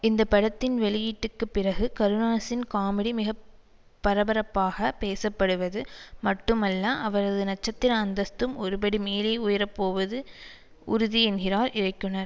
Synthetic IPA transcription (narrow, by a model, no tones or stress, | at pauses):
ɪnd̪ɐpːɐɽɐt̪ːɪnʋɛɭɪjiːʈːɯkːɯpːɪrɐɣɯkɐɾɯnaːsɪnkaːmɪɽimɪɣɐ | pːɐɾɐbɐɾɐpːaːɣɐpeːsɐpːɐɽɯʋɐðɯmɐʈːɯmɐlːaʔɐʋɐɾɐðɯnɐt͡ʃːɐt̪ːɪɾɐːnd̪ɐst̪ɯmʔɔɾɯbɐɽimeːlɐɪʊjɐɾɐpːoːʋɐðɯ | ʔʊɾʊðiɛnɣɪraːɾɪrɐɪkːɯɳɐɾ